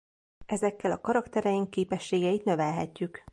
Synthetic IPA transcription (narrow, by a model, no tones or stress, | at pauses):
ʔɛzɛkːɛlɒkɒɾɒkt̪ɛɾɛjiŋkːeːpɛʃːeːɡɛjit̪nø̞vɛlɦɛcːyk